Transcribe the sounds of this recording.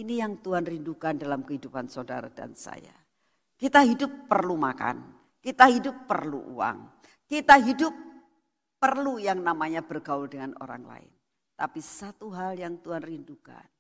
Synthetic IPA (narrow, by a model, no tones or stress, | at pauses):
inijaŋt̪uɦanrindukandalamkəɦidupansoda̰ɾada̰nsa̰ja | kit̪aɦidʊpːərlumaka̰n | kit̪aɦidʊpːərlṵʔṵa̰ŋ | kit̪aɦidʊp̚ː | ərlujaŋnamaɲab̥ərɡawʊldəŋano̰ɾa̰ŋla̰ɪ̰n | t̪apisat̪uɦaljaŋt̪uɦanrinduka̰n